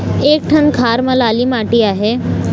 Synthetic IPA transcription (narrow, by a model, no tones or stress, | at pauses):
eːk̚ʈʰənkʰaːɾmə̃laːlimaːʈiaːɦe